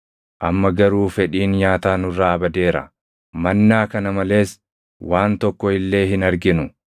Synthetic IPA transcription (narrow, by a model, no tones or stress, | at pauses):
ʔɐmːɐɡɐɾuːfɛᶑiːnɲaːt̪aːnʊrːaɐbɐd̪e̞ːɾɐ̰ | mɐnːaːkɐnɐmɐle̞ːs | waːnt̪ɔkːɔɪlːe̞ːɦɪnɐɾɡɪnʊ